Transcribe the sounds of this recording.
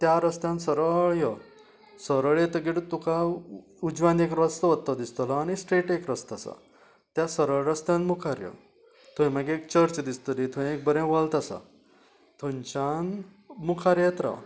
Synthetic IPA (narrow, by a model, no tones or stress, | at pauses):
t̪jaɾəst̪jãnsəɾəɭjə | səɾəɭet̪əɡiɽt̪uka | ud͡ʑʋãnd̪ekɾəst̪əʋət̪t̪ːɔd̪ist̪əlaaɽ̃isʈeʈekɾəst̪asa̰ | t̪jasəɾəɭɾəst̪jãnmukʰaɾjə̰ | t̪ʰũẽməɡeekt͡ɕəɾt͡ɕd̪ist̪əlit̪ʰũẽek̚bəɾẽʋəlt̪asa̰ | t̪ʰũɲt͡ɕan | mukʰaɾjet̪ɾa̰